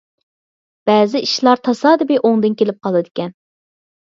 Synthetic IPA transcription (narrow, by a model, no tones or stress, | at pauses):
b̥ɛːzɪiʃlˠɑɾt̪ʰɑsɑːd̪ɪbɪʔoŋd̪ɨnkʲelɪp̚qʰɑlˠd̪ɨd̪ɪkʲɛn